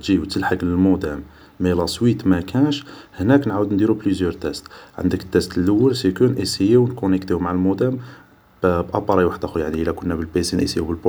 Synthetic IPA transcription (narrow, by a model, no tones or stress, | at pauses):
ʒit̪ʰəlħaɡləlmod̪æmː | ælɑswit̪mækʰænʃhnæknʕawəd̪nd̪iɾublyzjœɾt̪æst̪ʕə̰nd̪əkt̪ːæst̪əlːəwːəlsæjkunʔisijiwnkʊnəkt̪ihumaʕəlmud̪æm | bbʔɑpɑɾˤɑjwaħəd̪æxujaʕniʔəlækʊnːæbəlbesinʔḭsijubəlbo